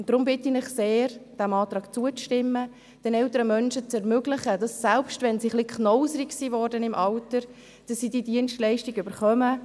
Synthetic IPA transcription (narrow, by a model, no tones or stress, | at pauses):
d̥ɾʊmbɪtinɪχseːɾd̥æmɑːt̪ɾɑːɡt͡suət͡sʃtɪmːə | d̥ɛnɛltəɾəmœnʃət͡sɛɾmʏɡlɪχəd̥ɑsːɛlpʃtʋɛnsiχlikχnɔwzəɾɪksiːvɔːɾdənɪmʔɑltəɾ | d̥ɑsːiːdiːdiənstlɛɪʃtiɡʏbəɾχœmə